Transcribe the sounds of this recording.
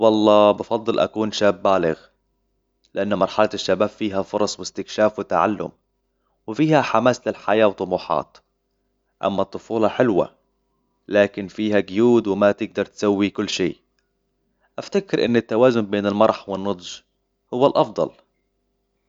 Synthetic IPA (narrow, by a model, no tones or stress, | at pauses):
wɑlˤːɑːbɑfɑd̪ˤːɨlʔa̰kuːnʃaːbːaːlɪɣ | lɪʔanːmɑɾˤħalaɪʃːabaːbfiːɦafʊɾˤɑsˤwɪst̪ɪkʃaːfwɪt̪aʕa̰lːʊ̰m | wɪfiːhaħamaːslɪlħajaːwt̪ˤːʊmuːħɑ̰ːt̪ | ʔa̰mːat̪ˤːʊfuːlɑħɪlwa̰ | laːkɪnfiːɦaɡʊjuːd̪wɪmat̪ɪɡ̚d̪ɑɾˤt̪sawːikʊlːʃiː | ʔaft̪akɪɾʔɪnːɪt̪ːawaːzʊnbeːnɪlmɑɾˤħwɪnːʊd̪ˤʒ | hʊwːalʔɑfd̪ˤɑ̰l